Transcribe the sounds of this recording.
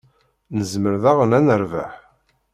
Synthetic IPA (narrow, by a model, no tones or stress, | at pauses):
nəzməɾðaʁənænəɾvæ̰ħ